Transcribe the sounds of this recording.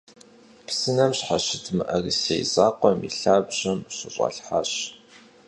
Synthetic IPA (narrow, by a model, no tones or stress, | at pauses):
psɨnɐmɕħaɕɪtʰmɨʔɐrisḛjzaːqʷɔmḭɬaːbʑɐmɕɪɕʼɑ̰ɬħaːɕ